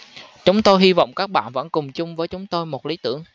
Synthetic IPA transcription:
t͡ɕʊ˨˦ŋ͡mt̪o˧jɦi˧vɔ̰˧˨wŋ͡mkaː˦˥k̚ɓa̰ː˧˨nvə̰˧˥nkʊ˨˩ŋ͡mt͡ɕʊ˧ŋ͡mvəː˨˦jt͡ɕʊ˨˦ŋ͡mt̪o˧jmo˨˩t̚li˨˦t̪ɨ˧˩əŋ

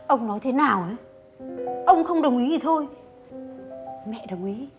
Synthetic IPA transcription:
ʔə˧wŋ͡mnɔ˨˦jt̪ʰe˨˦naː˨˩wʔaː˨˦ | ʔə˧wŋ͡mxə˧wŋ͡mɗə˨˩wŋ͡mʔi˨˦zi˨˩t̪ʰo˧j | mɛ̰˧˨ɗə˨˩wŋ͡mʔi˨˦

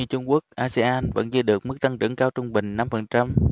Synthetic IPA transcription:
ɨ˧˩t͡ɕʊ˧ŋ͡mku˦˥ək̚ʔaː˧se˧ʔaː˧nvə̰˧˥nzɨ̰˧ɗɨ˨˩ək̚mɨ˦˥k̚t̪a˧ŋt͡ɕɨ̰˧˥ŋkaː˧wt͡ɕʊ˧ŋ͡mɓï˨˩ŋ̟na˧mfə˨˩nt͡ɕa˧m

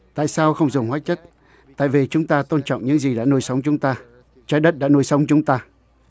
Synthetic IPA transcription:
t̪a̰ː˧˨jsaː˧wxə˧wŋ͡mzʊ˨˩ŋ͡mhwaː˦˥t̚t͡ɕə˦˥t̚ | t̪a̰ː˧˨jvi˨˩t͡ɕʊ˨˦ŋ͡mt̪aː˧t̪o˧nt͡ɕɔ̰˧˨wŋ͡mɲɨ̰˧˥ŋzi˨˩ɗa̰ː˧˥nu˧jsə˨˦wŋ͡mt͡ɕʊ˨˦ŋ͡mt̪aː˧ | t͡ɕa˨˦jɗə˦˥t̚ɗa̰ː˧˥nu˧jsə˨˦wŋ͡mt͡ɕʊ˨˦ŋ͡mt̪aː˧

